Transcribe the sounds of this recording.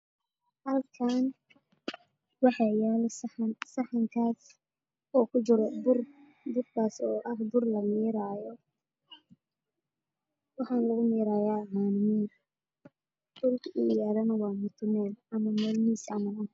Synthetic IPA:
hɐlkʰaːn | wɑħɑjaːlssɑħɑŋkʰaːs | ɔːkʰʊt͡ʃɪɾɔbʊr | d̪ʊrkʰaːsɔːʔɐhd̪ʊrlɐmiːɾaːjɔ | wɑħɑːnlɐɣʊmiːɾaːjaːɦaːnmiː | d̪ʊlkʰiːjaːðɐnɐwɑːmʊt̪ʰʊmɛːlɐmɐmɛːlmiːsɐmɐɐ

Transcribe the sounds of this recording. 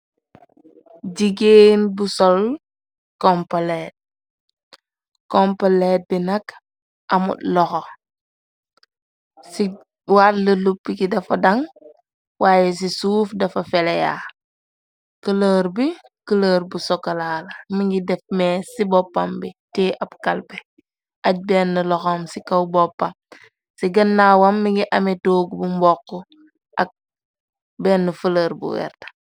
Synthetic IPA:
ɟiɡeːnbusɔl | kɔmpaleːt̚ | kɔmpaleːt̚binɐk | ʔɐmṵtlɔxo | si | watləlupːikidɐfɐdɐŋ | wʔaːjɛs̬isuːfdɐfɐfɛleja̰ː | kələːɾbi | kələːɾbusɔkɐlaːlɐmiŋɡidɛfmesibɔpːambiteːʔab̚kalpe | ʔaɟ̚bɛːnːəlɔxomsikawbopːam | siɡɐnːaːwamːiŋɡiʔɐmetoːɡbumbɔkːɔ | ʔa̰k̚ | bɛːnːəfələːɾbṵwɛ̰ɾtḁ

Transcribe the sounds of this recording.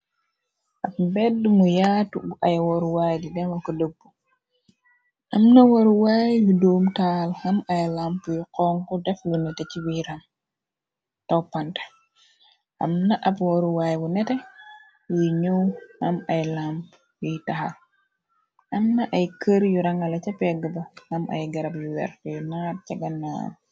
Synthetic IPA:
ʔapmbɛdːumujatubʔajwoɾuwajdidɛnwakələbːu | ʔamnawoɾuwaːjwidoːmtalhamajlampujiqɔŋkɔdɛflunɛtet͡ʃiwiɾam | tawpantḁ | ʔɐ̰mnɐʔɐpwoɾuwaːjbunɛtɛ | wujɲuwhɐmɐjlamp | jujtɐhɐ̰l | ɐmnɐʔɐjkəɾjuɾɐŋɐlɐcɐpɛɡəbɐhɐmʔɐ̰jɡɐɾɐpjuwɛ̰ɾfjunaːt̚cɐɡɐnːa̰

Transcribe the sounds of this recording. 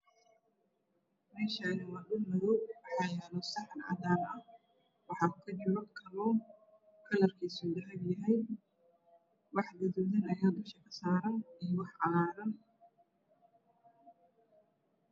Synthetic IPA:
mɛːʃɐɪnumɐdʊmɐðɔwɑħɑːjɛlɔːsɑħnɑ̰daːlɐ | wɑħɑːkʰɐd͡ʒɪʕɐkʰɐlɔ | kʰɐlɐrkʰiːsuːd̪ɐɦɐɡjɐɦɛj | wɑħɡ̪ɐðʊðɐnɐjaːd̪ʊʃɐkʰɐsaːɾɐnijɔwɑħqɑlaːɾɐn

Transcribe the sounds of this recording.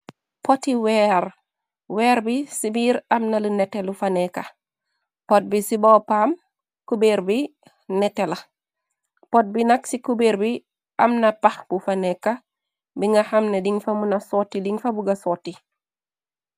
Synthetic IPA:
potiwɛːɾ | wɛːɾbisibiːɾɐmnalunɛtɛlufanɛka | pɔt̚bisibɔpam | kubeɾbi | nɛtɛlɐ | pɔt̚binɐksikubeɾbi | amnapaxb̥ufanɛkːa | biŋɡahɐmnediŋfɐmunasotːiliŋfabuɡasoːti

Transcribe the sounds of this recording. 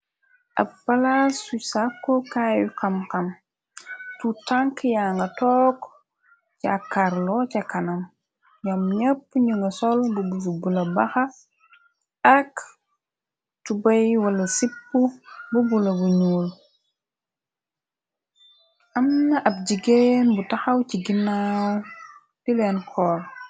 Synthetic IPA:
ʔɐ̰bpalasusakːokajukɐmkɐm | tutaŋkjaŋɡɐtɔːk | t͡ʃakaɾlɔcakanɐm | jamɲɐpːɲuŋɡɐsolbubus̬ubulɐbaxa | ɐk | tubajwɐlɐsipːububulɐbuɲuːl | ʔɐmnɐʔɐb̚ɟiɡenbutaxɐwciɡinaw | tileːnkʰɔːɾ

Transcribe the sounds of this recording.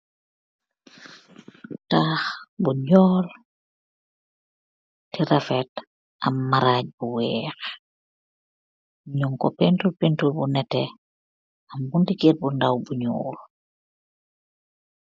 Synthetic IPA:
taxbuɲɔːl | tiɾafɛt | ʔa̰mːaɾaːc̚buwɛːx | ɲuŋkɔpentulpintulbunɛtɛ | ambundiket̚bundawbuɲuːl

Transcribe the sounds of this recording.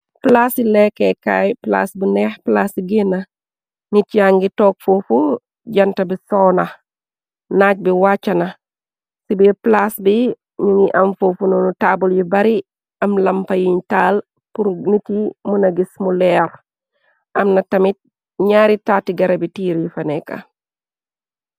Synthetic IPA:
plasilekeka̰ːjpla̰ːsbunɛːhplasiɡenːɐ | nitjaŋɡitoːk̚fofu | ɟɐntɐbisoːnɐ | naːc̚biwaːt͡ʃːɐnɐ | sibiplasbi | ɲiŋiʔɐmfofunonutaːbuljibɐɾi | ɐmlɐmpɐjiɲtaːl | puɾnitimunɐɡismulɛːɾ | ʔɐmnɐtɐmit̚ | ɲaːɾitaːtiɡɐɾɐbitiːɾjifɐneka̰

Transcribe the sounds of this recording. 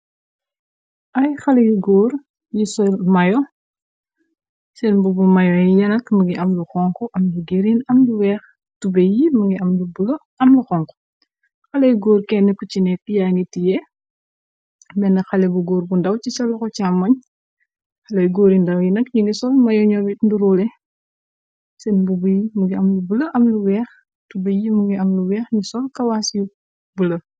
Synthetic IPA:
ɐjxɐlɐjiɡɔːɾ | jisɔlmɐjɔ | sɛnbubumɐjɔjijɐnɐkmɐɡiʔɐmluxɔŋkɔʔɐmd͡ʒuɡeɾinɐmd͡ʒuwɛːx | tubɛjimɐŋɡiɐmlubulo | ɐmluxɔŋkɔ̥ | xɐlɛjɡɔːrkɛnːɛkut͡ʃinɛkijaːŋɡitijɛ | mɛnɐxɐlɛbuɡɔːɾbundɐwt͡ʃisɐlɔkɔcamːɐɲ | xɐlɐjɡoːɾindɐwjinɐkɲiŋɡisɔlmɐjɔɲɔbitnduɾuːlɛ | sɛnbubujimuŋɡiɐmlubulɐʔɐmluwɛːx | tubejimuŋɡiɐmluwɛːxɲisɔlkɐwasu | bulɐ

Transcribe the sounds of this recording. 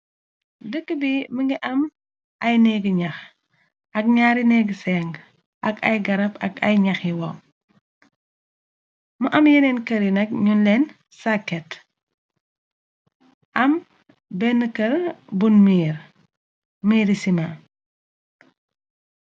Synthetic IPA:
dəkːəbiməŋɡiʔɐm | ʔɐjnɛɡɲɐx | ɐk̚ɲaɾinɛɡəsɛŋɡ | ʔɐɡɐ̰jɡɐɾɐpɐ̰ɡɐ̰jɲɐxiwɔ | mɐʔɐmjenɛnkɐɾinɐk̚ɲunlɛn | sakːɛt | ʔɐm | bɛnːəkɐɾbunmiːɾ | miːɾisima

